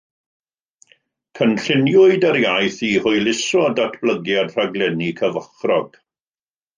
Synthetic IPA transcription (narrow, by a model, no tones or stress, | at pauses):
kʰənɬɪnjʊɨdəɾjajθihʊɨlɪsɔdatʰb̥ləɡjadr̥aɡlɛnikʰəvəχrɔɡ̥